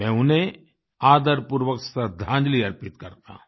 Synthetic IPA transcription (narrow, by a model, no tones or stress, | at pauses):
mɛ̃ːʊnẽ | aːd̪əɾpʊɾwəksad̪ʱãːɲd͡ʒliɐɾpɪt̪kɐɾt̪a̰ː